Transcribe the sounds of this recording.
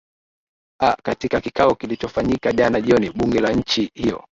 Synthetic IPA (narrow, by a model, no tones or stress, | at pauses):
akatikakikaɔkilit͡ʃɔfaɲikaʄanaʄiɔniɓuŋɡɛlaɲ̩t͡ʃihiɔ̰